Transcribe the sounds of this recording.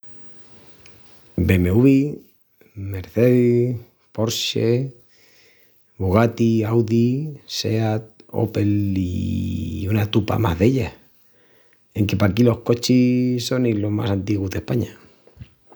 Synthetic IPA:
be̞me̞uβi | me̞ɾθeði | po̞ɾʃe | βoɣ̞at̪iawðise̞at̪̚o̞̰pe̞lḭ | unat̪upa̰ma̰ɦðe̞ʎa | eŋke̞pakilo̞hko̞t͡ʃiso̞nilo̞ɦma̰sant̪iɣuzðe̞hpaɲa

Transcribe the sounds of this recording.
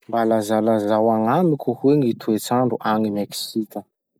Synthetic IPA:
mbalazalazawaŋamikʲuhueŋit̪ʰuet͡saɳɖ͡ʐuʔaŋimeksikə

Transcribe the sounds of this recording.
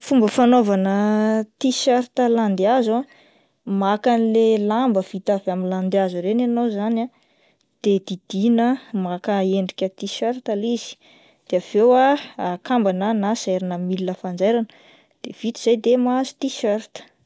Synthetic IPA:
fumbəfanovanət̪iʃaɾt̪əland̪eaza | makanilelambəv̥it̪avamiland̪eazuɾenanowzana | d̪̥ed̪id̪̥inəmakaeɳɖ͡ʐikʲət̪iʃeɾt̪aliz̥i̥ | d̪̥eav̥ewakambananaseɾinəmilinəfand͡zajɾanə̥ | d̪̥ev̥it̪iz̥ajd̪emazi̥t̪iʃeɾt̪ə̥

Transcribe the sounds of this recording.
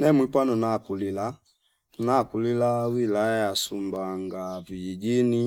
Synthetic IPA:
nɛmwipanunakulila | unakulilawilaasumbaŋɡavijid͡ʒini

